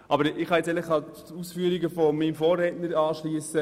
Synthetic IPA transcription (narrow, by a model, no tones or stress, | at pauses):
ʔɑbəɾɪχhɑjɛt͡sɛləχɑ | uːsfyəɾiɡəfomimfɔːrːɛːtnəɾɑːʃliəsə